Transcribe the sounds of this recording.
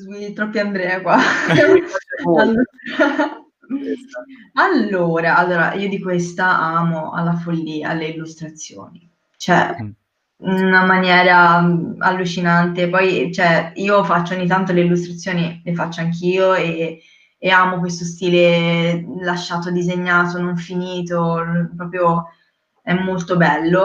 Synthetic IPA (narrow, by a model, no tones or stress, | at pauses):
viit̪ːɾɔpːiand̪ɾɛːakwa | alːu | alːoːɾaalːoːɾa̰ʔiːod̪ikwest̪aaːmoa̰lːafolːia̰lːeilːust̪ɾat̪sːjo̰ːni | t͡ʃoɛ̰ | unamanjɛːɾaa̰lːut͡ʃinant̪epɔjt͡ʃoɛiːofat͡ʃːooɲːit̪ːant̪oleilːust̪ɾat̪sːjoːnilefat͡ʃːoaŋkiːoeː | aːmokwest̪ost̪iːle | laʃːaːt̪od̪izeɲːaːt̪onoɱfiniːt̪opɾɔːpɾjo | ɛmːolt̪obɛlːo